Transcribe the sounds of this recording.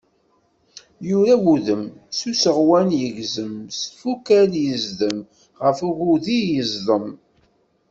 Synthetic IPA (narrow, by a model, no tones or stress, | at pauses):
jʊɾæwuðəmsusəʁwænjəʝzəmst̪fukæljəzðəm | ʁəfuɣuðijəzðəm